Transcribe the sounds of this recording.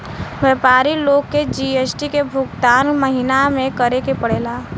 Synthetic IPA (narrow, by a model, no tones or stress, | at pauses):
wɛːpaːɾiloːɡkːed͡ʒiːeːsʈikebʱʊɡt̪aːnməɦɪnamẽkəɾekepəɽ̤eːlaː